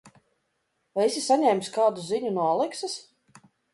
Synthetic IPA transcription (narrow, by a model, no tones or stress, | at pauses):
vajisisaɲʲɛmʲskaːd̪uziɲunuɔlˠiksɨs